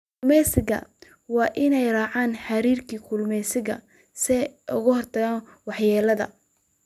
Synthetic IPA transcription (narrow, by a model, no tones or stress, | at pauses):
kmɛsɪɣɐ̰ | wɑːʔɪnɛjrɑːʕaːnħɑɾiːrkʰiːkʰʊlmɛsɪɣɐ̰ | sɛʊɣʊhɔrt̪ʰɐɣaːn | wɑħjɛːlɐðɐ̰